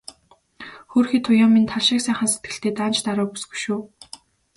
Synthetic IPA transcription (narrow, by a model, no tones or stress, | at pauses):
xuːrxiːt̪ʰʊjaːmːint̪ʰaɮʃɪːksæːχə̆nset̪̚ɡɘ̆ɬt̪eːt̪aːnt͡ɕt̪aɾʊːpu̥sɡu̥jʃuː